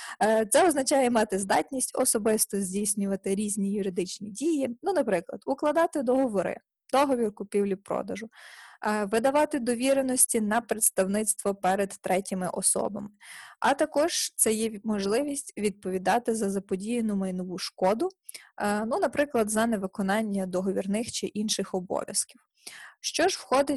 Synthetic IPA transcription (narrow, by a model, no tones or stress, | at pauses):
t̪sɛɔznɐt͡ʃɑjɛmɑt̪ɪzd̪ɑtʲnʲisʲtʲɔsɔbɪst̪ɔzʲdʲijsʲnʲʊʋɐt̪ɪɾʲizʲnʲijʊɾɪd̪ɪt͡ʃnʲidʲijinunɐpɾɪklˠɐ̰d̪̥ʊklˠɐd̪ɑt̪ɪd̪ɔɦɔʋɔɾɪ̰ | d̪ɔɦɔʋʲirkʊpʲiwlʲipɾɔ̰d̪ɐʒʊ | ʋɪd̪ɐʋɑt̪ɪd̪ɔʋʲiɾenɔsʲtʲin̪ɐpɾet̪st̪ɐwnɪt̪st̪ʋɔpɛɾed̪ːɾʔɛtʲɪmɪʔɔsɔ̰bɐ̰mɪɐt̪ɐkɔʒ̥t̪sɛjɛmɔʒlˠɪʋʲisʲtʲʋʲid̪̚pɔʋʲid̪ɑt̪ɪzɐzɐpɔdʲijnʊmɐjnɔʋuʃkɔd̪ʊ | nunɐpɾɪklˠɐd̪zɐneʋɪkɔnɑnʲːɐd̪ɔɦɔʋʲirnɪxt͡ʃɪʔinʃɪxɔbɔ̰ʋʲjɐ̰skʲiw | ʃt͡ʃɔʒwxɔd̪ɪ